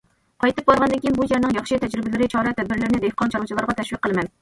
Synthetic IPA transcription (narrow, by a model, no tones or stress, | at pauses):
qʰɑjt̪ɨp̚bɑɾʁɑnd̪ɨnkʲijinbujæɾnɨŋjɑχʃɨt̪ʰɛd͡ʒɾɪbɪlɪɾɪt͡ʃʰɑɾɑt̪ʰɛd̪̚bɪɾlɪɾɪnɪd̪ehqʰɑnt͡ʃʰɑɾlˠɨt͡ʃʰlˠɑɾʁɑt̪ʰɛʃwiqːəlˠɨmɛn